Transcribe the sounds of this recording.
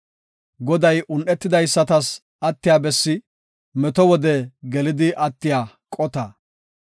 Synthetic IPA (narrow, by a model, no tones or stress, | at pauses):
ɡɔd̪ɐjʔʊnʔɛt̪ːɪd̪ɐjsːɐt̪ɐs | ɐt̪ːɪjaːbɛsːɪ | mɛt̪ɔwɔd̪ɛɡɛlɪd̪ɪʔɐt̪ːɪjaː | kʼɔt̪ɐ